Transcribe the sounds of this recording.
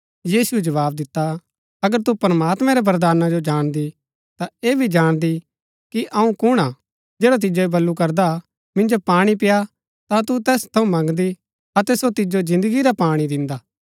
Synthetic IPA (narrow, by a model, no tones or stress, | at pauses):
jiːsuɛd͡ʒɐʋaːbd̪ɪt̪ːa | ɐɡəɾt̪upɾɐmaːt̪mɛ̃ɾɛbɐɾd̪aːnad͡ʒod͡ʒaːɽ̃d̪i | t̪aeːbʱid͡ʒaːɽ̃d̪i | kiʔɐũkʊɽ̃a | d͡ʒɛːɽat̪̬ɪd͡ʒoibɐlːukɐɾd̪a | mɪ̃nd͡ʒopaːɽ̃ipɪja | t̪ãt̪ut̪ɛːst̪ʰɐũmɐ̃ŋɡd̪i | ɐt̪ɛsot̪ɪd͡ʒod͡ʒɪ̃nd̪əɡiɾapaːɽ̃id̪ɪ̃nd̪aː